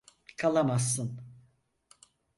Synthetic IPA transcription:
kʰalˠamasːɯn

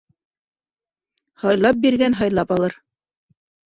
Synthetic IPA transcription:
hɑjlˠɑp̚biɾɡænɦɑjlˠɑpɑlˠɤɾ

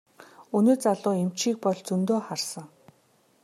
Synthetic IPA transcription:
unoːt͡saɮʊːem̥t͡ɕiːk̚pɔɮt͡sɵnt̪oːχarsə̆ŋ

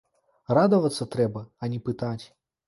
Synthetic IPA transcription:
rad̪ɐvɐt̪sːɐt̪ɾɛbɐɐnʲɛpɨt̪at͡sʲ

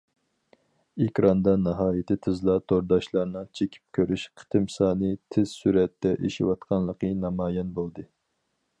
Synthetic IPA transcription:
ekʲɾɑnd̪ɑnɨɦɑːjɪt̪ʰɪt̪ʰɨzlˠɑt̪ʰoɾd̪ɑʃlˠɑɾnɨt͡ʃʰekʲʰi̥p̚kʲʰøɾyʃqʰə̥t̪ʰɨmsɑːnɨt̪ʰɪz̥syɾɛt̪ːɛʔeʃḭwɑt̪qʰɑnlˠəqənɑmɑːjɛnbolˠd̪ɨ

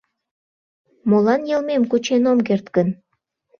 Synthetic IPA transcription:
molɑnjɤlmemkut͡ɕenomk̬ert̪kən

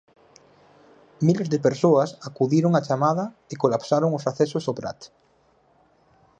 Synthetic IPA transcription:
milezðepeɾsoasakuðiɾoŋat͡ʃamaða | ekolapsaɾoŋosaθesosopɾa̰t̪

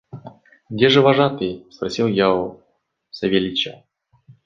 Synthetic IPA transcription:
ɡdʲeʐɨvɐʐat̪ɨspɾɐsʲilˠjao | sɐvʲelʲit͡ɕa̰

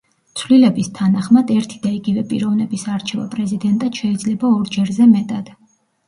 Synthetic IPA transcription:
t̪sʰvlilɛbist̪ʰanaχmad̪ɛɾt̪ʰid̪aiɡivɛpʼḭɾɔvnɛbisaɾt͡ʃʰɛva̰pʼɾɛzid̪ɛnt̪ʼad̪̥ʃɛid̪zlɛbaɔɾd͡ʒɛɾzɛmɛt̪ʼad̪̥

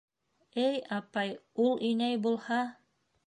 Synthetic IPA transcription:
ɘjɑpɑjulˠʔinæjbulˠhɑ

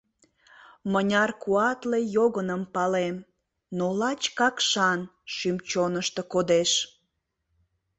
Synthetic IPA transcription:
mənʲɑrkuɑt̪lejoɣənəmpɑlem | nolɑt͡ɕkɑkʃɑn | ʃymt͡ɕonəʃt̪əkod̪eʃ

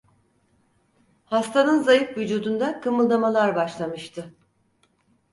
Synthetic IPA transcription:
hast̪ʰanɯnzajɯfvyd͡ʒuːd̪und̪akʰɯmɯlˠd̪amalˠaɾbaʃlˠamɯʃt̪ʰɯ

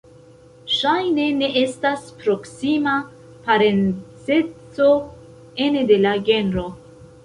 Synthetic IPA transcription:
ʃajne̞ne̞ʔe̞staspɾo̞ksima | paɾe̞nt͡se̞t͡so̞ | e̞nede̞laɡe̞nɾo̞

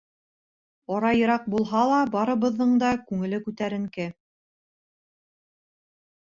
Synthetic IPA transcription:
ɑɾɑjɤ̆ɾɑq̚bulˠɦɑlˠɑbɑɾɤ̆βɤ̆ðːɤɴd̪ɑkʉŋɘ̆lɘkʉt̪æɾɘ̆ŋkɘ

